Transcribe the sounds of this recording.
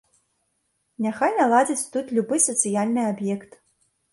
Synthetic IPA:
nʲaxajnalˠad͡zʲit͡sʲt̪ut̪lʲubɨsɐt̪sɨjalʲnɨabjɛkt̪

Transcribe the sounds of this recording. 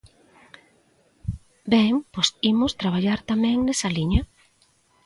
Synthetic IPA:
bɛŋposimʊst̪ɾaβ̞aʎaɾt̪amɛ̃ŋnesɐliɲɐ

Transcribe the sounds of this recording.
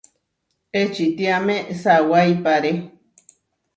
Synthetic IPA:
et͡ʃit̪iamẽsawajpaɾe

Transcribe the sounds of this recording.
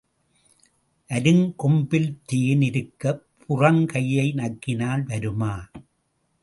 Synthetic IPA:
ʔɐɾɯŋkɔmbɪlt̪iːnɪɾɯkːɐpʰʊrɐŋkɐjːɐɪnɐkːɪnaːlʋɐɾɯmaː

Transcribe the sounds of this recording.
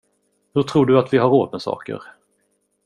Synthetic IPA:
hɵʈ̪ʰɾuːɖɵat̪vɪɦaɾːoːd̪̚mɛsɑ̰ːkə̰ɾ

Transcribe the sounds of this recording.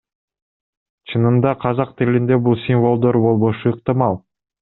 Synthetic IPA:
t͡ʃʰɯnɯmd̪ɑqʰɑzɑq̚t̪ilind̪ebulˠsʲimvo̞lˠd̪o̞ɾbo̞lˠβo̞ʃuɯq̚t̪ɨmɑlˠ

